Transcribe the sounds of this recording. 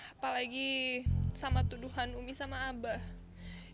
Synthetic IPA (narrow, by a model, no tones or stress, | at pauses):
apalaɡi | samat̪uduɦanumisamaːbah